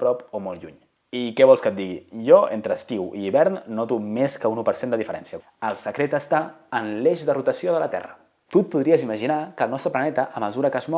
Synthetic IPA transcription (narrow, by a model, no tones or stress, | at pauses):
pɾɔpomɔlˠʎuɲ | ikɛβɔlˠskət̪̚d̪iɣḭʒɔent̪ɾəst̪iwḭːβɛɾnːɔt̪umeskəunupəɾsend̪əðifəɾɛnsiə | əlˠsəkɾet̪əst̪aənleʃðərut̪əsioðələt̪ɛ̰rə | t̪ut̪̚puðɾiəziməʒinakəlˠnɔst̪ɾəplənɛt̪əʔəməzuɾəkəzmɔ